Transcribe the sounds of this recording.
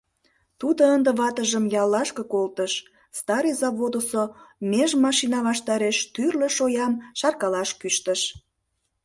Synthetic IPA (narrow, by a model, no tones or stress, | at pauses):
t̪ud̪oənd̪əβɑt̪əʒəmjɑlːɑʃkəkolt̪əʃ | st̪ɑɾəjzɑβod̪osomeʒmɑʃinɑβɑʃt̪ɑɾeʃt̪yrlə̆ʃojɑmʃɑrkɑlɑʃkyʃt̪əʃ